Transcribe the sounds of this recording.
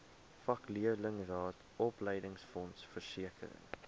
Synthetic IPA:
fɐkliələŋrɑːt | ɔpləjdəŋsfɔnsfərsiəkə̰ɾə̰ŋ

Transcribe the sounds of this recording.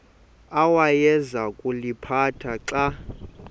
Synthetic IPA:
awajɛzakʼulipʰatʰaǀa

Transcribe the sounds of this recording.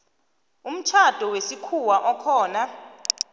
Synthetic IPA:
um̩t͡ʃʰad̥ʱɔwesikʰuwaʔɔkʰɔːna

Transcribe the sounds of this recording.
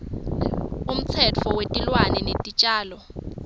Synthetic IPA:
um̩t͡sʰɛt͡fʰɔwetʼilwanɛnetʼit͡ʃʼaːlɔ

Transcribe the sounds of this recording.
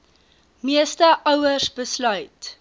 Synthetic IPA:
miəstəʔœwəsbəslœɥt

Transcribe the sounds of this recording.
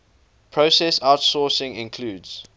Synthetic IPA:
pʰɹosɛsaʊtsɔːsɪ̃ŋɪ̰̃nkʰl̥uːdz̥

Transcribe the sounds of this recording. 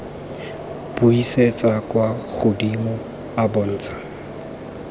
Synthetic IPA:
b̥uiset͡sʼakʼwaχʊdimɔ | abʊn̩ːt͡sʼḁ

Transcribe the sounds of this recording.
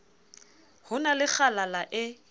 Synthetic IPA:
hʊnalɪk͡xʰalalaʔɪ

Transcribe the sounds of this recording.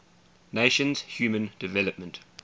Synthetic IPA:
neɪʃə̃nz̥hjuːmə̃nd̥ɪvɛləp̚mə̃nt

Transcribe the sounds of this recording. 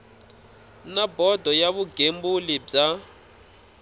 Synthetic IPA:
nabɔdʱɔjaβuɡʱembulib͡ʐa

